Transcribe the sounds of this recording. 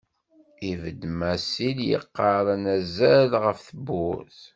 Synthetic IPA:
ivəd̪mæsiljə̰qːɑɾˤənæzælʁəfθəbːʊθ

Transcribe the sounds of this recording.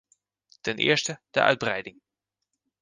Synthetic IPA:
d̥ɛnʔɪ̰ːɹstəd̥ɛ̰ʔœ̰ɥd̚brɛjdɪŋ

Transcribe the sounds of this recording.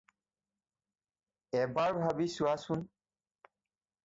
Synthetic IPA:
ɛbaɹbʱabisʊasun

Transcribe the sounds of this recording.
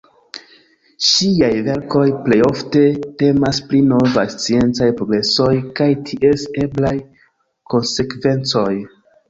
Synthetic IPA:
ʃiajve̞ɾko̞jple̞jo̞fte̞te̞masplino̞vajst͡sie̞nt͡sajpɾo̞ɡɾe̞so̞jkajtʰiʔe̞se̞blaj | ko̞nse̞kve̞nt͡so̞j

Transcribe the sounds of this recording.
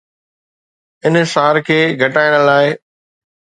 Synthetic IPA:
ɪnsaːɾkʰeːɡʱɐʈaːɪɽ̃laːɪ

